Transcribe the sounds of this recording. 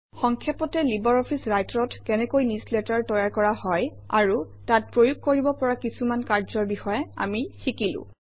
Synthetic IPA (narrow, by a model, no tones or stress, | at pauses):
xɔŋkʰjapɔtɛlibɔɹɔpʰisɹajtɹɔtkɛnɛkojnisletaɹtɔjaɹkɔɹahɔj | a̰ɹu | tat̚pɹojuɡ̚kːoɹibɔpɔɹakisumankaɹzɔɹbixɔjɛa̰mixikilʊ̰̃